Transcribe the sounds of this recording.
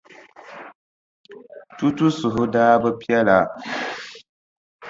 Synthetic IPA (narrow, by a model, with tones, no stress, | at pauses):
tu˦tu˦sʊ˨ɦʊ˦daː˦bɨ˦pi˦ɛ˦la˨